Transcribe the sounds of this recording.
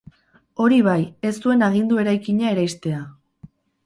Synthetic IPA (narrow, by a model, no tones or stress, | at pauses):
o̞ɾiβaje̞st̪ue̞naɣ̞ind̪ue̞ɾajkiɲae̞ɾajst̪e̞a